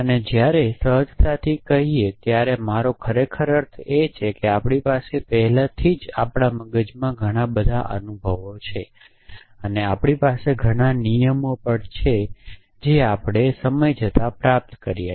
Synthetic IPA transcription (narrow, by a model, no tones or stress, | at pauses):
əned͡ʒjaɾesəɦəd͡ʒt̪at̪ʰikəɦiet̪jaɾemaɾokʰəɾekʰəɾəɾt̪ʰet͡ʃʰekeapɽ̃ipasepɛɦɛlat̪ʰid͡ʒapɽ̃aməɡəd͡ʒmãɡʱəɽ̃abəd̪ʱa̰ʔə̰nubʱəʋot͡ʃʰe | əneapɽ̃ipaseɡʱəɽ̃anijəmopəɳt͡ʃʰe | d͡ʒeapɽ̃esəməjd͡ʒʱət̪apɾap̚t̪kəɾijḛ